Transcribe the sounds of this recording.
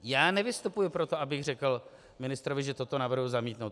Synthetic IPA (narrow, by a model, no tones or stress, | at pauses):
jaːnɛvɪst̪upujʊpɾot̪o̞ʔabɪɣr̝ɛkl̩ | mɪnɪst̪ɾovɪʒɛt̪ot̪o̞navr̩ɦʊzamiːt̪nowt̪